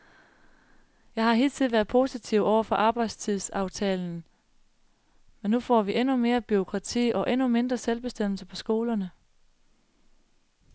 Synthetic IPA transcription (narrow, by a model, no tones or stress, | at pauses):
jɑ̈ɪhɑ̈ɦe̝ːlt͡sʰið̩ˠʋæɐðˠpʰo̝sit͡sʰiʊɒʊɐfɒ̽ʔɑ̈ːb̥ɑ̈ɪ̰d̥st͡sʰið̰ˠsɑ̈ʊt͡sʰɛːln̩ | menːufɒ̰ːʋiʔenume̝ːɐb̥yo̝kʰʁɑ̈t͡sʰḭːʔɒ̽ʔenume̝nd̥ʁɐselb̥e̝sd̥em̰l̩səpʰɒ̽sɡ̥o̝ːlɐnə